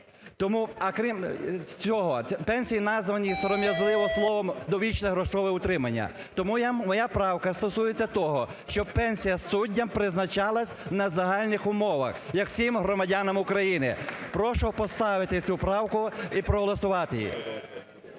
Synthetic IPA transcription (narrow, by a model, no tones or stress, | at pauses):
t̪ɔmuɐkɾʲimt͡sʲɔɦɔpɛnʲsʲijinɑzʋɐnʲisɐɾɔmʲjɐzlˠɪʋɔslˠɔʋɔmd̪ɔʋʲit͡ʃnɛɦɾɔʃɔʋɛʊt̪ɾɪmɐnʲːɐ̰ | t̪ɔmujamɔjapɾɑwkɐst̪ɔsujet͡sʲːɐt̪ɔɦɔʃt͡ʃɔbpɛnʲsʲijɐsudʲːɐmpɾɪznɐt͡ʃɑlˠɐsʲnɐzɐɦɑlʲnɪxʊmɔʋɐ̰xjɐksʲimɦɾɔmɐdʲanɐmʊkɾɐjinɪ̰pɾɔʃɔpɔst̪ɑʋɪt̪ɪt͡sʲupɾɑwkʊipɾɔɦɔlˠɐsʊʋɑt̪ɪjḭ